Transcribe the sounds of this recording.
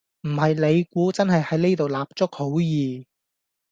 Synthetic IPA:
m̩˨˩hɐ˨jle˨˧jkuː˨˥t͡sɐ˥nɦɐ˨jhɐ˨˥jne˥t̪o˨wlaː˨p̚t͡sʊ˥k̚ho˨˥wjiː˨˩

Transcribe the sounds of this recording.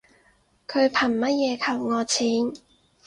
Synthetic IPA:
kʰɵ˨˧ɥpʰɐ˨˩nmɐ˥t̚jɛː˨˧kʰɐ˨˩wŋɔː˨˧t͡sʰiː˨˥n

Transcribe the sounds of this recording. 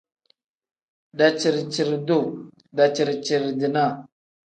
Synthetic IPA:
da˨t͡ʃi˨ɾt͡ʃi˨ɾdu˦˨ | da˨t͡ʃi˨ɾt͡ʃi˨ɾdi˨na˦˨

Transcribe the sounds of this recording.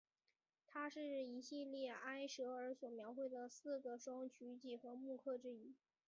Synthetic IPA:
t̪ʰa˥ʂɻ̩˥˩i˧˥ɕi˥˧ljɛ˥˩a˥ɪʂɤ˧˥ə˞˧˥swɔ˨˩mjɑ˧˥ʊxwe˥˩ɪd̪ə˩sɹ̩˥˩ɡə˩ʂʊ˥ŋt͡ɕʰy˧˥t͡ɕi˨˩xɤ˧˥mu˥˧kʰɤ˥˧ʈ͡ʂɻ̩˥i˥˩

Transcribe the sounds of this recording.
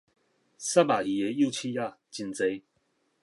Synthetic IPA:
sa˥˨ba˨i˨ɛ˨˧ju˥˧˨t͡ɕʰi˦ja˥˧˨t͡ɕi˧nt͡se˧˦j

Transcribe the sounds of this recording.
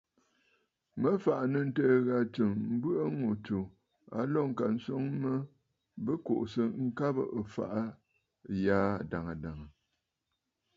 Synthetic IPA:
mə˦fa˨ʔa˨nə˨n̩˦təː˦ɣa˦t͡ʃɨ˨ŋm̩˦bɨ˦ʔə˦ŋo˨to˨ | a˦lɔ˦˨ŋ̩˨ka˨n̩˦sɔ˦ŋmə˦ | bə˦ko̰˨ʔsə˨ŋ̩˦ka˦bə̰˨ʔə˨fa̰˨ʔa˦˨ | jaː˦˨da˨ŋə˨da˨ŋə˨

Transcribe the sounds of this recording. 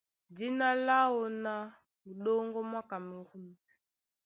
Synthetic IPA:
di˦na˦la˦wɔ˨na˦ | mu˨ɗɔ˦ŋɡɔ˦mwa˦ka˨mi˨ɣu˦m˨

